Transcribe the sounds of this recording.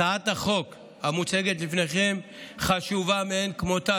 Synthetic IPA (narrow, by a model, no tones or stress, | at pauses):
aat̪aχo̞k | hamut͡se̞ɡet̪lifneχe̞m | χaʃuvameenkmot̪a